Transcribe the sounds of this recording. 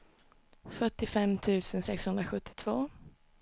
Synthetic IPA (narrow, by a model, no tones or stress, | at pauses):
fœʈːɪfɛmt̪ʰʉ̟ːsənsɛkshɵnd̪ɾaɧɵt̪ːɪ̥t̪ʰv̥oː